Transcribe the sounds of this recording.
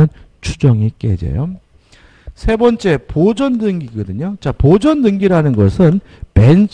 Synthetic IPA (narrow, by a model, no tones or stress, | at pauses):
ɯn | t͡ɕʰud͡ʑʌŋik͈ḛd͡ʑḛjo | sʰe̞bʌnt͡ɕ͈e̞pod͡ʑʌndɯŋɡiɡʌdɯɲot͡ɕapod͡ʑʌndɯŋɡiɾanɯnɡʌsʰɯn | mens